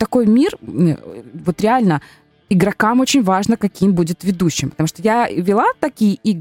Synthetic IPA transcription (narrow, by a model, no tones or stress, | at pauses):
t̪ɐko̞jmʲir̰ | vo̞t̪ɾʲɪalʲnə | ɪɡɾɐkamo̞t͡ɕɪnʲvaʐnəkɐkʲimbudʲɪt̪vʲɪd̪uɕːɪmpət̪ɐmuʂt̪ojavʲɪlˠat̪ɐkʲijəʔi